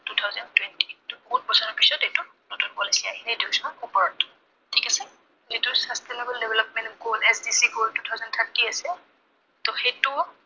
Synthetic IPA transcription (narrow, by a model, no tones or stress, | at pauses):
tutʰawzɔntwɛnti̥tʊkut̚bɔsaɹɔpisɔtetu | notunpɔlisiaɦinediɡisɔnupɔɹɔtʊ̥ | tʰikasɛ | zitʊsastɛnebɛldɛbʱɛlɔp̚mɛnɡolɛsdisiɡoltutʰawzɔnt̪ʰatiasɛ | tɔxetʊ